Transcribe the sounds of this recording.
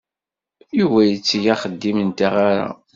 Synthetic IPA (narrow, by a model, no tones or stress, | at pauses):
juvæjət͡sːjaχəd̪ːimənt̪aʁaɾa̰